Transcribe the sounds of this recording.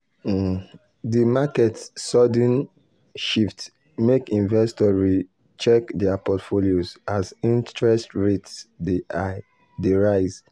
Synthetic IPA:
dimakɛtsɔdɛ̃n | ʃift | mekĩnvɛstɔɹi | t͡ʃɛkdɛapɔtfoliozazĩntɹɛstɹetsdia | deɹaɪz

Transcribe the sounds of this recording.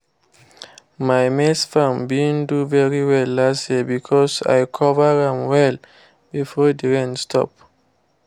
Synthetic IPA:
majmɛsfãmbĩnduvɛɹiwɛlːasdebikʰɔsa̰jkʰɔvəãmwɛl | bifɔdiɹɛ̃nstʰɔ̰p̚

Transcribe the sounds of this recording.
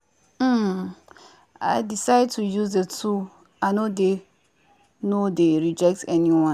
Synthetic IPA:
m̩ | a̰ɪdisaɪd̚tʰujuzdətʰu | aɪnode | nodeɹid͡ʒɛk̚tɛniwɔ̃

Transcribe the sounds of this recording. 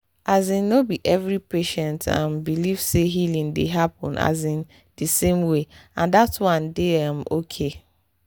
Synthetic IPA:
azĩnːobiʔɛvɹipeʃɛ̃ntʰã̰mbiliv̥seɦilĩŋdeɦapɔ̰̃na̰zĩn | d̥isẽmweãndatwãndɪamokʰe

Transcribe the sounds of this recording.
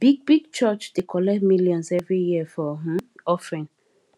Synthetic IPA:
b̥iɡ̚biɡ̚t͡ʃɔt͡ʃd̥ekʰɔlɛmiljɔ̃nzɛvɹijiəfɔɦ̩ɔfɹĩn

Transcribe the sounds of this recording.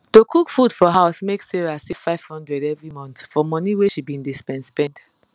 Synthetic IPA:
tokʰukfudfɔɦaʊsmeksiɹiasifaɪv̥hɔ̃ndɹɛdɛvɹimɔ̃ntfɔmɔniweʃibĩndespɛ̃ntspɛ̃nd

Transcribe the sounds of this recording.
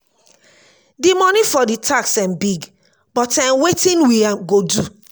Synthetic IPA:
dimɔnifɔditʰaksãmbiɡ | bɔtãnwetĩnwiaɡodu

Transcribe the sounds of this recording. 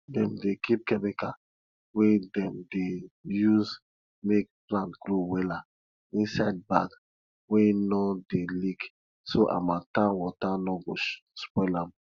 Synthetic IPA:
dɛ̃mdekʰip̚kɛmika | wedɛ̃mdejuz | mek̚plãntɡ̥lowɛla | ĩnsaɪd̚baɡ | wenɔdelik | soʔa̰matãnwɔtanɔɡospɔɪlãm

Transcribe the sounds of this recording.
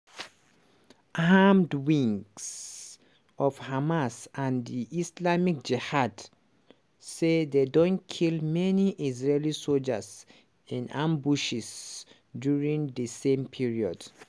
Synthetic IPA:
amdwĩŋɡs | ɔvhamasãndiʔislamik̚d͡ʒɛhad | sededõnkʰilmɛniʔizɹelisold͡ʒas | ĩnãmbuʃis | djuɹĩŋdəsẽmpʰiɹiɔd̥

